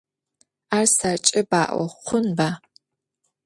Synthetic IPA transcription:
aːrsɐrt͡ʃʼɪba̰ːʔʷɔ̰qʷʊnbaː

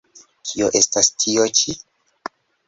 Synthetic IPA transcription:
kʰioʔe̞stastʰiot͡ʃi

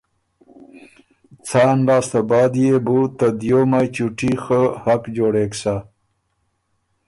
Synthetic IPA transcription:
t͡sɑːnlɑːst̪abɑːd̪jebut̪ad̪jomajt͡ʃuʈixəhakd͡ʒoːɽeksa

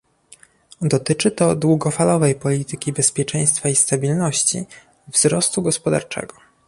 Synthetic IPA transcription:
d̪ɔt̪ɘt͡ʂɘt̪ɔd̪wuɡɔfalɔvɛjpɔlʲit̪ɘkʲibɛspʲjɛt͡ʂɛj̃st̪faist̪abʲilnɔɕt͡ɕḭ | vzɾɔst̪uɡɔspɔd̪a̰ɾt͡ʂɛ̰ɡɔ

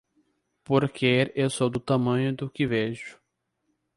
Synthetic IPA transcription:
poɾkeɾesod̪ʊt̪ɐmɐ̃ɲʊd̪ʊkɪveʒʊ̥

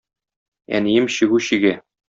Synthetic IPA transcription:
æ̰nijɘmɕɘ̆ɡuɕiɡæ

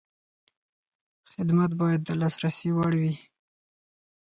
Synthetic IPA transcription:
xɪd̪mat̪bɑjad̪̚ːəlɑsɾasiwaɽwi

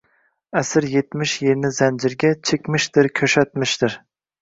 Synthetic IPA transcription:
ɛsɪɾjet̪mɪʃjeɾnɪzɛnd͡ʒɪɾɡʲɛt͡ʃʰekʲmɪʃt̪ɪɾkʲʰøʃɛt̪mɪʃt̪ɪɾ

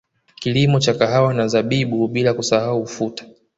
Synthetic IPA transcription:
kilimɔt͡ʃakaɦawanazaɓiɓuɓilakusahaufutḁ

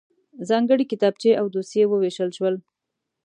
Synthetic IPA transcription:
zɑŋɡəɽikɪt̪ɑb̚t͡ʃeʔawd̪osjewəweʃəlʃwəl

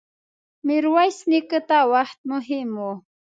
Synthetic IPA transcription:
mɪɾwajsnikət̪awaht̪̚mʊɦimo

